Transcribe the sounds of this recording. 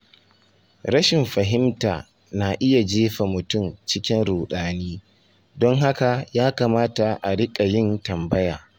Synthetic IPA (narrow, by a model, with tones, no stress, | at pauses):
ɾɐ˦ʃɪ˨mɸɐ˨ɦɪ˦mta̰ː˨ | na˨ʔɪ˦ja˨d͡ʒeː˦ɸa˨mʊ˨tʊ˦˨mt͡ʃɪ˦kʲɪ˦nɽuː˨ɗaː˨˦niː˦ | dɔ˦ŋɦa˦ka˨jaː˦kaː˨maː˦ta˨ʔa˨ɽɪ˦kʼa˨jɪ˦ntɐ˨mbɐ˦jaː˨